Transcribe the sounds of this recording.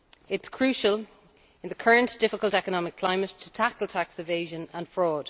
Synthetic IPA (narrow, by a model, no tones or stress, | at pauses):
ɪtskʰɹ̥ʉˑʃəl | ɪ̃nðəkʰɜɹə̃nd̥ɪfɪkəlˠtɛkənɒmɪkʰl̥ãɪ̃mətʰətʰakəlˠtʰaksɪveɪʒə̃nə̃nfɹɔːd̥